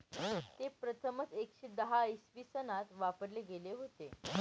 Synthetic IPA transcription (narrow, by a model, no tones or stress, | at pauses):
t̪epɾət̪ʰəmət͡sekɕed̪əɦaəisʋisənat̪ʋapəɾleɡeleɦot̪e